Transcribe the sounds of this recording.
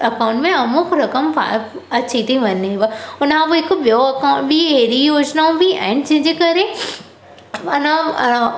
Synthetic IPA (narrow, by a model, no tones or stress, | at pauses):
ɐkaːwʊ̃ɳʈmẽɐmʊkɾɐkəmpa̰ | ɐt͡ɕʰit̪ʰiʋɐneɦʋaʊnãboɪkɓijoɐkaʊ̃ʈbieɾijoːd͡ʑnaũbʱiɛ̰̃ːɪd͡ʑɐ̃ɦɪ̃d͡ʑeːkɐɾe | ɐnə